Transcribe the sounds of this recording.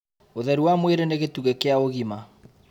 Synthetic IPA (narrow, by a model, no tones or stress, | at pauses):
oðɛɾuwamweɾeneɣetuɣɛkeaoɣima